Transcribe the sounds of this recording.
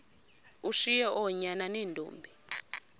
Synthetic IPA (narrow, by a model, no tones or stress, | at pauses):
uʃijɛʔɔɲananiːndʱʼṵːmbʱi